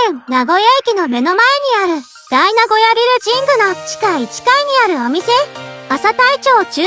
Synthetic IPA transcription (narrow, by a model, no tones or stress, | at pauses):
ẽnaɡo̞jaikʲino̞me̞no̞mae̞ɲ̟iaɾɯ̟ | d̪̥ainaɡo̞jaɾʲiɾɯ̟d͡ʑĩŋɡɯ̟no̥t͡ɕi̥kait͡ɕi̥kaiɲ̟iaɾɯ̟o̞mʲise̞asat̪ait͡ɕo̞ːt͡ɕɨ